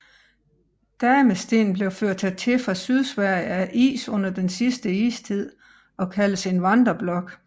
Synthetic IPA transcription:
d̥æːmesd̥e̝̰ːnb̥le̝ʊføɐ̰d̥̚t͡sʰe̝t͡sʰe̝fʁɑ̈syð̞ˠsʋæɐ̰jəæʔḭːsɔ̽n̰ɐd̥ensisd̥əḭːst͡sʰið̞̰ˠ | ɒ̽kʰæləse̝nʋɑnd̥ʁɐb̥lɒ̽ɡ̥

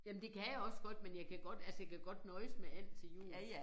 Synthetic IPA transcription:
jæmn̩d̥e̝kʰæjaɒ̽sɡ̥ɒ̽d̥menjɑ̈ɪkʰæɡ̥ɒ̽d̥ælsəjɑɪkʰæɡ̥ɒ̽d̥nɒ̽ɪəsmææn̰t͡sʰe̝jṵː

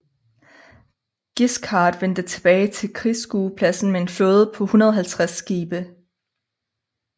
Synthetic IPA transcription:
ɡ̥iskʰɑ̈ːd̥ʋen̰d̥ət͡sʰe̝b̥ɛːɪt͡sʰe̝lkʰʁisɡ̥uːpʰlæsn̩mee̝nfloːð̞̩ˠəpʰɒ̽hunɐðˠɐɦælt͡sʰʁasːɡ̥iːb̥ə

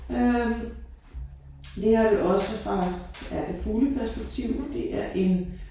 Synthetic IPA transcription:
ø | d̥e̝æd̥eʔɒ̽səfʁɑ̈æd̥efuːləpʰæɐsb̥eɡ̥̚t͡sʰiʊ̰mend̥e̝ʔæɐʔe̝n

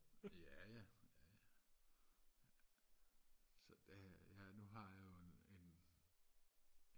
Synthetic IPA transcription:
jæjæjæ | sɒ̽d̥ejænuɦɑ̈jɑjoene̝n

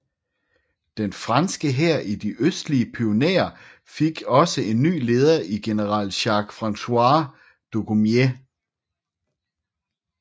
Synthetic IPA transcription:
d̥enfʁɑnsɡ̥əɦeɐ̰ʔid̥iʔøsd̥liəpʰio̝nḛːɐ | fe̝ɡ̥ɒ̽səe̝nːy̰ːle̝ːð̞ˠɐʔiɡ̥e̝nəʁɑ̰l̰ɕɑ̈ːɡ̥fʁɑ̈nsʰuɑː | d̥o̝komje

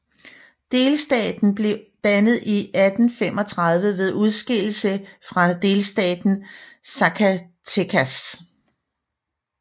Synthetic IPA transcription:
d̥e̝ːlsd̥ɛ̰ːd̥n̩b̥le̝d̥ænəð̞̩ˠiʔæd̥n̩fem̰ɒ̽t͡sʰʁɑ̈ð̞ˠʋəʋe̝ðˠuð̞ˠsɡ̥el̰l̩səfʁɑ̈d̥e̝ːlsd̥ɛ̰ːd̥n̩sækʰæ | t͡sʰekʰæs

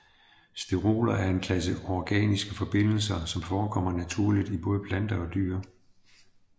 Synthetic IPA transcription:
sd̥eʁo̝̰ːlɐæɐe̝nkʰlæs̬əɒɡ̥ɛ̰ːnisɡ̥əfɒ̽b̥e̝n̰l̩sɐsɒ̽mfɒːkʰɒ̽m̰ɐnæt͡sʰuɐ̰lid̥ib̥ɔ̽ːð̞ˠəpʰlænd̥ɐɒ̽d̥y̰ːɐ

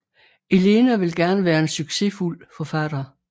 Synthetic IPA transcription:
e̝le̝næʋe̝lɡ̥æɐnəʋæːɐe̝nsyɡ̥se̝ful̰fɒ̽fæd̥ɐ

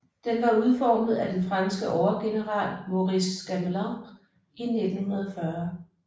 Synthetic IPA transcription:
d̥enʋɑ̈uð̞ˠfɒːməð̞̩ˠæd̥enfʁɑ̈nsɡ̥əʔɒʊɐɡ̥e̝nəʁɑ̰̈ːlmo̝ʁisːɡ̥æmlɑ | ined̥n̩hunɐðˠfɶɐ

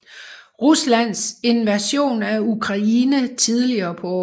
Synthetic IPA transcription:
ʁuslæn̰se̝nʋæɕo̝̰ːnæukʰʁɑ̈iːnət͡sʰiðˠliɐːpʰɒ̽ɒ

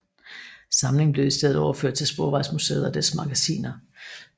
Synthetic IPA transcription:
sɑ̈mle̝ŋ̩b̥le̝ʊisd̥eð̞̩ˠɒʊɐfø̰ɐ̰d̥̚t͡sʰe̝lsb̥oːʋɑ̈ɪsmusḛːðˠɐd̥æsmɑ̈ɡ̥æsḭːnɐ

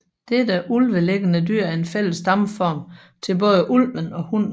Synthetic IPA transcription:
d̥ed̥əʔulʋəleɡ̥ənədyɐ̰æɐe̝nfel̰əsd̥ɑ̈mfɒːm | t͡sʰe̝lb̥ɔ̽ːð̞ˠəʔulʋənɒ̽hun̰

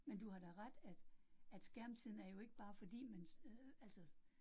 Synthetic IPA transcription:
mend̥uhɑ̈ɾ̥ɑ̈ɪʁad̥æd̥æd̥sɡ̥æɐ̰mt͡sʰið̰ˠn̩æɐjo̝e̝ɡ̥əb̥ɑ̈ːfɒ̽d̥ḭːmænæl̰sə

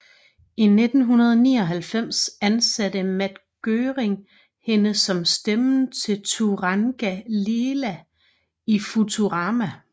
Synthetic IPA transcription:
ine̝d̥n̩ɦunɐð̞ˠnḭːɒ̽ɦælfem̰sænsæd̥əmæd̥ɡ̥øːʁeŋ | he̝nəsɒ̽msd̥emn̩t͡sʰe̝lt͡sʰuʁɑŋɡ̥æleːlæ | ifut͡sʰuʁɑ̈ːmæ

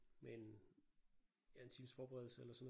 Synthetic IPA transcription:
me̝n | jæe̝nt͡sʰḭːmsfɒːb̥eʁɛðˠl̩səelɐsɒ̽nː

